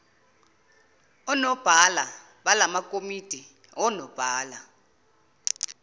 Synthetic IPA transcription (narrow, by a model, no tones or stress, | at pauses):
ɔnɔb̥ʱala | ɓalamakʼomid̥ʱi | ɔnɔb̥ʱaːla